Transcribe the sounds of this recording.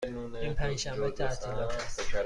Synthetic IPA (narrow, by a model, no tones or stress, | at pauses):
inpʰæ̃nʃæmbet̪ʰæt̪ʰilɒæs